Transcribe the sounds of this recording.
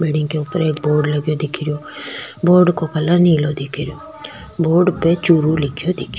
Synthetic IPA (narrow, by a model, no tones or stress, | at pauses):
beːɽɪŋɡkeʊpːəɾeːkboːɾɖləɡjoːd̪ɪkʰɪɾɪjoːboːɾɖkokəlaniːloːd̪ɪkʰɾɪjoː | boːɾɖpet͡ʃuːɾulɪkʰjoːd̪ɪkʰjoː